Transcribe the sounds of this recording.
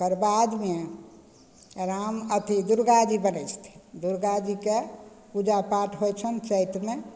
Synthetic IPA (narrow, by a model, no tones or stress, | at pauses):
kəɾbad̪me | ɾamət̪ʰid̪uɾɡad͡ʒibənəjt͡ʃʰt̪ʰi̥d̪uɾɡad͡ʒike | ud͡ʒapaʈʰɦojt͡ʃʰənt͡ʃət̪me